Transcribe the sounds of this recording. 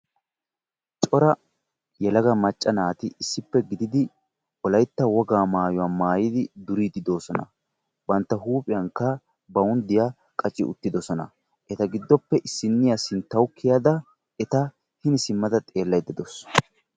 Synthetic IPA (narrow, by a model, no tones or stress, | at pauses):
t͡ʃʼɔɾɐ | jɛlɐɡɐmɐt͡ʃʼːɐnaːt̪ɪʔɪsːɪpːɛɡɪd̪ɪd̪ɪ | ɔlɐjt̪ːɐwɔɡaːmaːjʊwɐmaːjɪd̪ɪd̪ʊɾiːd̪ɪd̪oːsɔnɐ̰ | bɐnt̪ːɐɦuːpʼɪjɐŋkːɐ | bɐʊnd̪ɪja | kʼɐt͡ʃʼːɪ̰ʔʊ̰t̪ːɪd̪ɔsɔnɐ̰ | ʔɛt̪ɐɡɪd̪ːɔpːɛʔɪsːɪnːɪjɐsɪnt̪ːɐwʊkʰːɪjɐd̪ɐ | ɛt̪ɐ | hɪnɪsɪmːɐd̪ɐt̪ʼe̞ːlːɐjd̪ɪd̪ɔs